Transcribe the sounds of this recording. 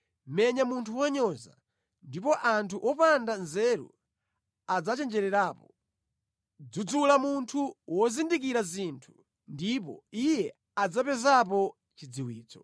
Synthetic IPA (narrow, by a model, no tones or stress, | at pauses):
mɛɲamuntʰuwaɲɔza̰ | ndipɔʔantʰuʔɔpandanzɛɾṵ | ad͡zat͡ʃɛnd͡ʒɛɾɛɾaːpɔ | d͡zud͡zulamuntʰuwɔzindikiɾazintʰu̥ | ndipɔ̰ijɛ | ad͡zapɛzap̬ɔ | t͡ʃid͡ziwiːt͡sɔ̥